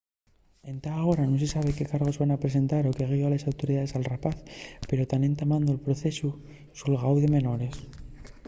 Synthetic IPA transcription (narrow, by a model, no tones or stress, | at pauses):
e̞nt̪aːɣo̞ɾano̞se̞saβ̞e̞ke̞kaɾɣ̞o̞zβanapɾe̞s̬e̞nt̪aɾo̞ke̞ɣ̞ioalesawt̪o̞ɾiðaðe̞salrapaθpe̞ɾo̞t̪anẽ̞nt̪amãnd̪oelpɾo̞θe̞su | sulɣawðeme̞no̞ɾe̞s